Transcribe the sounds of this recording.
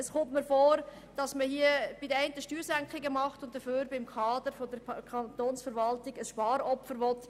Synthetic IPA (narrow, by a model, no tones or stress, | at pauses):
əsχʊmtməfoːɾ | d̥ɑsməhiəb̥ɪd̥əæɪntəʃtyːɾsæŋkχɪɡəmɑχtʊnt̚d̥əføːɾbɪmkʰɑːd̥əɾfodəɾkʰɑnt̪oːnsfəɾʋɑltɪɡ̥əsʃpɑːɾɔpfəɾʋɔt